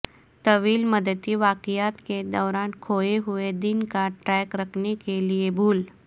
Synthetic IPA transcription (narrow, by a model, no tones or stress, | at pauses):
t̪əʋiːlməd̪ət̪iːʋakijat̪ked̪əwɾãnkʰojeɦued̪inkaʈɾɛkɾəkʰnekelijebʱuːl